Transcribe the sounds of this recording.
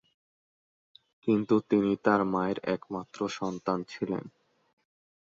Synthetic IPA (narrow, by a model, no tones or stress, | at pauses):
kint̪ut̪init̪aɾmaeɾɛkmat̪ːɾoʃɔnt̪ant͡ɕʰilḛn